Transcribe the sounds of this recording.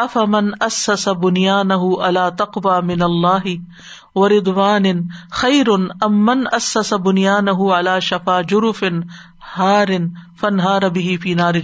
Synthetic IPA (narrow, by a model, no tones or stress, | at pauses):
ʔɐfɐmɐnʔɐsːɐsabʊnjaːnaɦʊʔalaːt̪ɑqwaːmɪnɐlˤːaːɦɪ | wɐɾɪd̪ˤwaːnɪxajɾʊnʔɐmːɐnʔɐsːɐsabʊnjaːnaɦʊʕalaːʃɐfaːd͡ʒʊɾʊfɪn | haːɾɪnfɐnɦaːɾbɪɦɪfiːnaːɾɪ